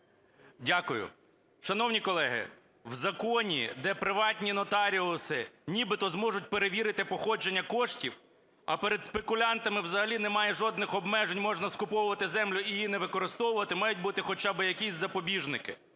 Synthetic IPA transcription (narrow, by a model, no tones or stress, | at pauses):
dʲakʊjʊ̰ | ʃɐnɔwnʲikɔlˠɛɦɪ̰ | wzɐkɔnʲḭd̪ɛpɾɪʋɑtʲnʲinɔt̪ɑɾʲilˠsɪnʲibɪt̪ɔzmɔʒʊt̚ʲpeɾeʋʲiɾɪt̪ɪpɔxɔd͡ʒenʲːɐkɔʃtʲiw | ɐ̰peɾed̪spekʊlʲɑnt̪ɐmɪwzɐɦɐlʲinɛmɑjɛʒɔd̪nɪxɔbmɛʒenʲmɔʒnɐskʊpɔwʊʋɐt̪ɪzɛmlʲʊijinɛʋɪkɔɾɪst̪ɔwʊʋɐt̪ɪmɑjʊt̚ʲbut̪ɪxɔt͡ʃɑbɪjɐkʲisʲzɐpɔbʲiʒnɪkɪ̰